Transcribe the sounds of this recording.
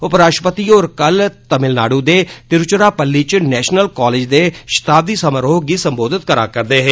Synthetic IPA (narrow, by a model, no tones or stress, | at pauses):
ʊpɾaːʃʈəpət̪iːoːɾkəlt̪əmɪlnaːɽũːd̪eːt̪ɪɾt͡ʃɾaːpəlːiːt͡ʃnɛːʃnəlkɔːleːd͡ʒd̪eːʃɪ̥t̪aːb̚d̪iːsəməɾoːɡiːsəmboːd̪ɪt̪̚kəɾa̰ːkəɾd̪eːɦeː